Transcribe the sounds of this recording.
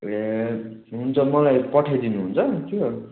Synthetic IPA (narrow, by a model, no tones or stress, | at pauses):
e | ɦunt͡sʰʌmʌlajpʌʈʰajd̪inuɦunt͡sʰʌt̪ʰjo